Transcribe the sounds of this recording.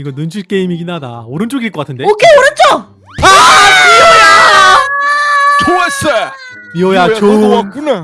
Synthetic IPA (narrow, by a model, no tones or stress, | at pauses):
iɡʌnɯnd͡ʑʰuɭk͈e̞imikinːadaoɾɯnt͡ɕ͈oɡiiɭk͈ʌk͈atʰɯndeokʰeoɾɯnt͡ɕo | apioja | t͡ɕʰoase | piojat͡ɕouna